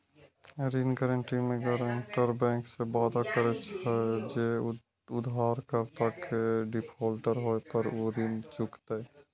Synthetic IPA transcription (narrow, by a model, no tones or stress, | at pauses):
ɾinɡəɾəɳʈimeɡəɾəɳʈəɾbɛ̃ːŋksebad̪akəɾɛt͡ʃʰəd͡ʒe | ʊd̪aɾkəɾt̪akeɖipʰɔlʈəɾɦoepəɾoɾint͡ʃukt̪aj